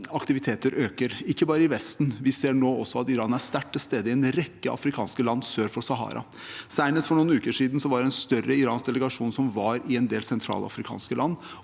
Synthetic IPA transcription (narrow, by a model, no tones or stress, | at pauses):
ɑkt̪ɪʋɪt̪ʰeːt̪əɾʔøːkəɾɪkːəbɑːɾəɪʋɛst̪nʋɪseːɳoːɔsːɔɑt̪ɪɾɑːnæst̪æʈːɪlst̪eːd̪əɪɛnɾɛkːəʔɑ̰fɾɪkʰɑːnskəlɑnːsøːɾfɔsɑɦɑ̰ːɾɑ̰ | sæɪnəst̪fɔɳuːənʉːkəʂiːd̪nsɔʋɑɖɛɛnst̪œɾːəɪɾɑːnsd̪ɛləɡɑʂuːnsɔmʋɑɾɪɛnd̪eːlsɛnt̪ʰɾɑ̰ːlɑ̰fɾɪkʰɑ̰ːnskəlɑnː